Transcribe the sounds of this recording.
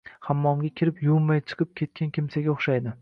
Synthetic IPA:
hamːɒmɡʲakʲʰɪɾɪpjumːajt͡ʃʰɨ̥qʰɨp̚kʲʰe̞t̪̚kʲankʲʰɪmsaɡʲaoχʃajd̪ɪ

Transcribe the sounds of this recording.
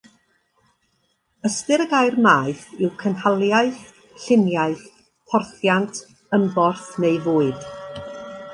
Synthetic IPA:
əstɨɾəɡajrmaːɨθɪwkʰənhalˠjaɨθ | ɬɪnjaɨθ | pʰɔrθjantʰ | əmbɔrθnejvoːɨd̥

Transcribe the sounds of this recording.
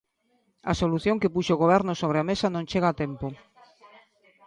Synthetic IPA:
a̰soluθjõŋkepuʃoɣoβ̞ɛɾnosoβ̞ɾeamesanõnt͡ʃeɣat̪empo

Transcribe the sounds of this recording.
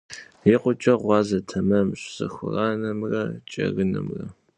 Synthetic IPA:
jiqʷʊt͡ʃʼɐʁʷɑːzɐtʰɐmɐmɕsɨ̰xʷʊrɑːnɐmrɐt͡ʃʼɐ̰ɣɨnɐmrɐ

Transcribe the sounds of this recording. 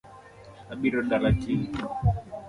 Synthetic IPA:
aɓiɾɔndaɾat͡ʃi

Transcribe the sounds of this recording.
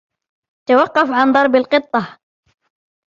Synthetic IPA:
t̪awɑqːɑfʕand̪ˤɑɾˤbalqɨt̪ˤːɑ

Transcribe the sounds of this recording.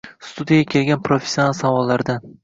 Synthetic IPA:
st̪ʰud̪ijaɡʲakʲʰe̞lɡʲanpɾofesʲjonalˠsavɒlːaɾd̪an

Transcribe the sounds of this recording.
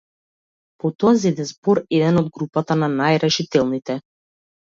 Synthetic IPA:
pɔt̪ɔazɛd̪ɛzbɔɾɛd̪ɛnɔd̪̚ɡɾupat̪ananajɾɛʃit̪ɛlˠnit̪ɛ

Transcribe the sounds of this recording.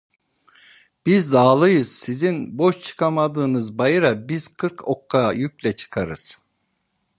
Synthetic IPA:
b̥izd̪aːlˠɯjɯz̥sizinbo̞ʃt͡ʃʰɯ̥kʰamad̪ɯːnɯzbajɯɾabiz̥kʰɯɾkʰokʰːajyk̚ʲlʲɛt͡ʃʰɯ̥kʰaɾɯz̥

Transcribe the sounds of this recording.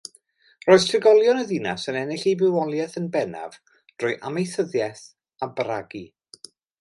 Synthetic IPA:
rɔːð̥tʰrɪɡɔlˠjɔnəðinasənɛnɪɬejbɪwɔlˠjɛθənbɛna̰v | d̥rʊjʔamejθəðjɛθ | abɾaɡi

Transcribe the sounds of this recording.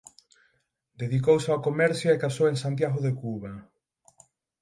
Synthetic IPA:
d̪eðikowsakomɛɾθjaekasoweŋsant̪̬jaɣoðekuβa

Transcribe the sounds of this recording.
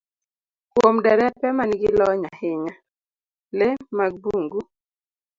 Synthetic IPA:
kwomdɛɾɛpɛmanɡɪlɔɲahɪɲa | lemaɡ̚buŋɡu

